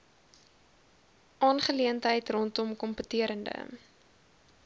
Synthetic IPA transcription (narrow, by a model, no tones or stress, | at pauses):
ʔɑːnχəliəntɦəjtrɔntɔmkɔmpətiəɾəndə̰